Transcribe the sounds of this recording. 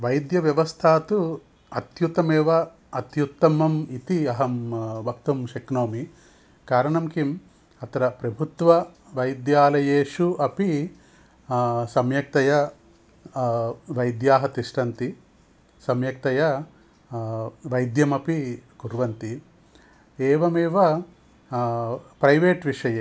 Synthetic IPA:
ʋɐjd̪jɐʋjɐʋɐst̪ʰaːt̪u | ɐt̪jut̪ɐmɛːʋɐː | t̪jut̪ːɐmɐmit̪iɐɦɐmbʱɐkt̪ɐmʃɐknoːmi | kaːɾɐɳɐmkim | ɐt̪ɐɾɐpɾɐbʱut̪ʋɐ | ʋɐjd̪jaːlɐjeːʂuʔɐpi | sɐmjɐk̚t̪ɐjɐ | ʋɐjd̪jaːɦɐt̪iʂʈɐnt̪i | sɐmjɐk̚t̪ɐjɐ | ʋɐjd̪jɐmɐpikuɾʋɐnt̪i | eːʋɐmeːʋɐ | pɾɐjʋeːʈʋiʂɐjeː

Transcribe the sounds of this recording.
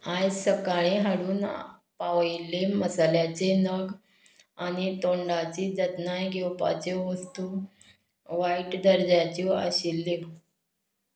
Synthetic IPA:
ajsəkaɭẽɦaɽuːnpaʋjleməsaljat͡senəɡ | aɽ̃it̪oɳɖat͡ɕiːd͡zət̪najɡʱewpa̰t͡seʋəst̪u | ʋaiʈd̪əɾd͡zjat͡ɕɔə̰ɕilːe

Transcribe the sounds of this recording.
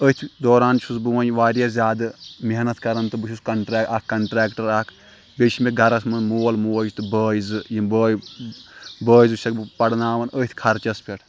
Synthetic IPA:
ət̪ʰʲd̪oːɾaːnt͡ʃʰusbɨʋãːnʲʋaːɾjɐzʲjaːd̪ɨmeɦnɐt̪kɐɾɐnt̪ɨbɨt͡ʃʰuskɐɳʈɾaːakkɐɳʈɾaːkʈɐɾaːkʰ | bʲeʃʰimʲeɡʱɐɾɐsmɐnmoːlmoːd͡ʒt̪ɨbəːjzɨjibəːj | bəːizɨʃʰʲɐkbɨpɐɽnaːʋɐnət̪ʰʲkʰɐɾt͡ʃɐspʰʲeʈʰ

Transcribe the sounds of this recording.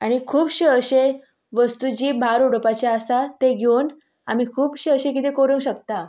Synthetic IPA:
aɽ̃ikʰuːpɕeəɕe | ʋəst̪ud͡ʑiːbʱaɾuɽpat͡ɕjaəst̪at̪eɡʱewn | amikʰuːpɕeəɕek̬it̪ekoɾuŋɡɕəkt̪a

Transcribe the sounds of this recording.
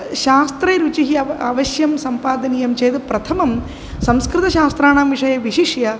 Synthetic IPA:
ʃaːst̪ɾɐɾut͡ʃiɦiɐaːʋɐɕjɐmsɐmpaːd̪ɐniːjɐmt͡ʃeːd̪ɨpɾɐt̪ʰɐmɐm | sɐmskɾɨt̪ɐɕaːst̪ɾaːɳaːmʋiʂɐjɐʋiʃiʂjɐ

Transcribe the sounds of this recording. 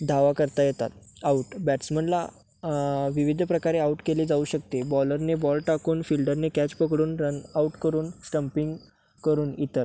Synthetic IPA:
d̪ʱaʋakəɾt̪ajet̪a̰t̪̚ | auʈbæʈsm̤əɳla̰ | ʋiʋid̪ʱpɾəkaɾeauʈkeliːd͡zauɕək̚t̪ebɔləɾnebɔlʈakuːnfilɖəɾnekæt͡ɕpəkɽuːnɾənauʈkəɾuːnsʈəmpiŋɡ | kəɾuːnit̪əɾ

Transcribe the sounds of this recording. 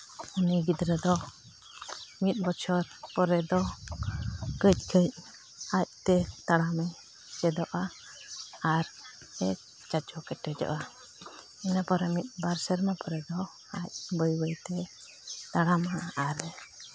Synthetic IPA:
uniɡid̪ɾɛd̪ɔ | mit̪̚ˀbɔt͡ʃʰɔɾpɔɾɛd̪ɔ | kəc̚ˀkʰəc̚ | ac̚t̪ɛt̪aɽamɛ | t͡ʃɛd̪ɔʔa | aɾ | ɛk | t͡ʃat͡ʃɔkɛʈɛd͡ʒɔ̰ʔa | inapɔɾɛmit̪̚ˀbaɾsɛɾmapɔɾɛd̪ɔ | ac̚bəjbəjt̪ɛ | t̪aɽamaʔaɾɛ

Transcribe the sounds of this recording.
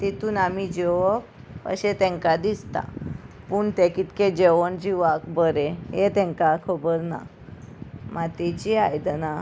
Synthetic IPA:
t̪et̪uːnamid͡ʑeʋɔk | ə̰ɕet̪ɛ̃ŋkad̪ist̪a̰ | puːɳt̪ekit̪ked͡ʑeʋənd͡ʑiʋakbəɾeɦet̪ɛ̃ŋkakʰɔbəɾna̰ | mat̪et͡ɕiajd̪əna

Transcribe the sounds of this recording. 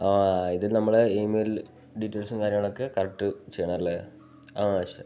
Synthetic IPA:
aːiðilnɐmːɐɭemel | ɖitːɐːlsɨnkaːɾjɐmaːɳokːekɐrɐʈːɨt͡ɕejɐɳɐmɐlːe | aːɐɕe

